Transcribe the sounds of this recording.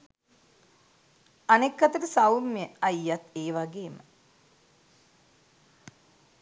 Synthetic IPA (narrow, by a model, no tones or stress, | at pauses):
anekːat̪əɾəsawmjəajːat̪eːʋaɡeːmə